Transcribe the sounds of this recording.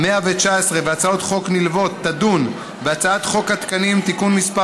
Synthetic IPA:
meavet͡ʃaesʁeveat͡sao̞t̪χo̞knilvo̞t̪ːad̪un | beat͡saat̪χo̞kat̪kanimt̪ikunmispa

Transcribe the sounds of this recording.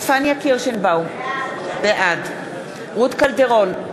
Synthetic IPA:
fanjakiʁʃenbaw | beʔad̪ | ʁut̪kalveʁol

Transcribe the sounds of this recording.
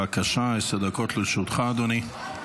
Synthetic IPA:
akaʃaesad̪akot̪leʃut̪χaːd̪oni

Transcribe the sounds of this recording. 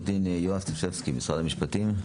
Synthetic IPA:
d̪injoast̪ifsefskimisʁadamiʃpat̪im

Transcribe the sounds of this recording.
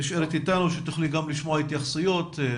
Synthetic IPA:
iʃeɾet̪it̪anuʃet̪uχliɡamliʃmoait̪jaχsujo̞t̪

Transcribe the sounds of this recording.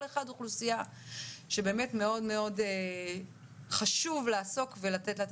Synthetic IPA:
leχaduχlusija | ʃe̞be̞ːme̞tme̞o̞dme̞o̞de | χaʃuvlaːso̞kvelatetlat

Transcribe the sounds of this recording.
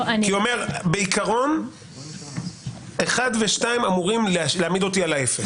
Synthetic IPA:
kiome̞ʁbe̞ikaʁo̞n | eχad̪veʃtaimamuʁimlleamid̪o̞t̪ialaefes

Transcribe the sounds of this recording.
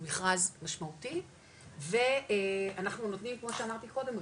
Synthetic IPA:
miχʁazmaʃmauti | veeanaχnuno̞t̪nimkmo̞ʃeamaʁt̪iko̞de̞m

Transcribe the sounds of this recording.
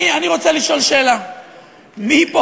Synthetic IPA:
ianiʁot͡seliʃo̞lʃeːla | mipo

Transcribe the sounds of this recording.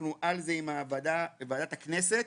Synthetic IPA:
nuʔalze̞imaːvadavaːdatakne̞se̞t

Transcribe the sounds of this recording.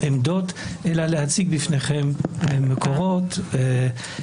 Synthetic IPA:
ʔemd̪o̞t̪ʔelalehat͡siɡ̚bifneχemːekʰo̞ʁo̞t̪e

